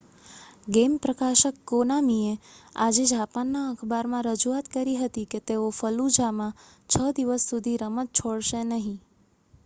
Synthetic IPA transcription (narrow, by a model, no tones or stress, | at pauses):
ɡempɾəkaʃəkːonamiea̰d͡ʒed͡ʒapanːaəkʰbaɾmãɾəd͡ʒuat̪kəɾiɦət̪iket̪eofəlud͡ʒamã | t͡ʃʰəd̪iʋəsːud̪ʱiɾəmət̪̚t͡ʃʰoɽʃenəɦĩ